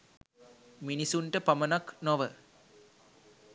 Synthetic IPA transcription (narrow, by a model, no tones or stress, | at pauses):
minisuɳʈɐpɐmɐnɐknoʋə